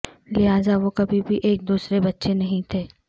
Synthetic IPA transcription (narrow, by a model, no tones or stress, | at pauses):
lɪɦaːzaʋokɐbʱibʱiʔeːk̚d̪uːsɾebɐtːʃenɐɦĩt̪ʰeː